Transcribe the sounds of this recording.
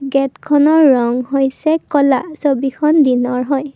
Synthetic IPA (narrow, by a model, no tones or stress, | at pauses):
ɡɛtkʰɔnɔɹːɔŋɦojsɛkɔlasobikʰɔndinɔɹɦɔj